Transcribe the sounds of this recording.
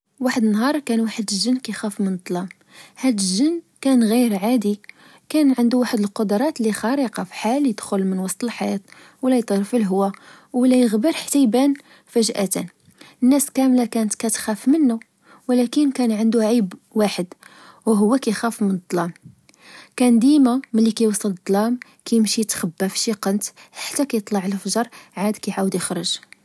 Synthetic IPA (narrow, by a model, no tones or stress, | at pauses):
waħəd̪ənːɦɑɾˤkænwaħəd̪əʒənːkæjxæfmənt̪ˤːlɑm | hæd̪əʒənː | kænɣiɾʕad̪i | kænʕənd̪uwaħəd̪əlqod̪ɾˤɑt̪lixɑɾˤəqɑfħaljəd̪xʊlmənwɑsˤt̪ˤəlħajæt̪ | wlæjt̪ˤɾfəlɦwːæ | wlæjəɣbəɾˤħt̪ajbæn | fæʒʔæt̪æ̰n | ənːæskæmlækænt̪kæt̪xæfmənːu | wlækənkænʕənd̪uʕibwaħəd̪ | wɦʊwːækæjxæfmənd̪ˤːlɑm | kænd̪imamənlːikæjwɑsˤəld̪ˤːlɑm | kæjəmʃit̪xæbːæfʃiqənt̪ħḁt̪ːækæjət̪ˤlɑʕəlfʒɑɾˤʕad̪kæjʕawəd̪jəxɾəʒ